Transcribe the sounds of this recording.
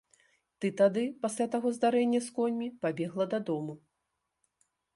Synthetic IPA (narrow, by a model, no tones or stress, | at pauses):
t̪ɨt̪ad̪ɨpasʲlʲat̪aɣɔzd̪aɾɛnʲːɐskɔnʲmʲipabʲɛɣlˠɐd̪ɐd̪ɔmu